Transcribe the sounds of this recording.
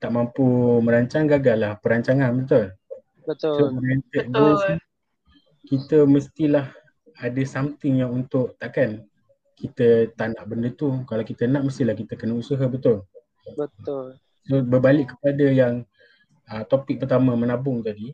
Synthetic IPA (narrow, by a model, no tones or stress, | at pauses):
t̪aʔmampuməɾaɲt͡ʃaŋɡaɡalahpəɾaɲt͡ʃaŋanbət̪ʊl | bət̪somənant̪əʔ̪̚ɡolsni | kit̪əməst̪ilah | adəsamt̪ɪŋjaŋunt̪ʊʔt̪aʔkan | kit̪ət̪anaʔbəndət̪ukalawkit̪ənaʔməst̪ilahkit̪əkənəusaɦəbət̪ʊl | bə | sobəbalɪʔkkːə̥padəjaŋ | ət̪opɪk̚pərt̪amə̃mənabʊŋt̪adi